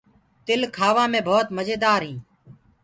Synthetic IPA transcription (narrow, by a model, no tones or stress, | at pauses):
t̪ɪlkʰaːʋãːmẽːbʱoːt̪məd͡ʒeːd̪aːɾɦĩː